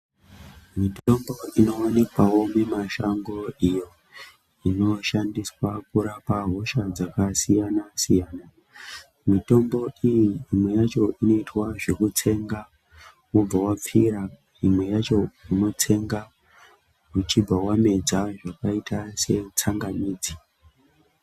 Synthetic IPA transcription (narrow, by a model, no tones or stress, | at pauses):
mitomboino̞onikwawo̞me̞maʃaŋɡo̞ijo̞ | ino̞ʃandiswakuɾapaɦo̞ʃad͡zakasijanasijaːna | mito̞mbo̞ijiːmwe̞jat͡ʃo̞ʔino̞itwaʐe̞kut͡sʰe̞ŋɡa | wob͡vawap͡fiɾa | imwe̞jat͡ʃo̞ino̞t͡sʰe̞ŋɡa | mut͡ʃib͡vawame̞d͡zaʐakaitʰase̞t͡saŋɡamiːd͡zi